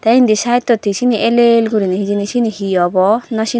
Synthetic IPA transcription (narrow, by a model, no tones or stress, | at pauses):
t̪ɛind̪isait̪ːɔt̪ːisiniʔelelɡuɾiniɦid͡ʒinisinihiɔbɔnɔsi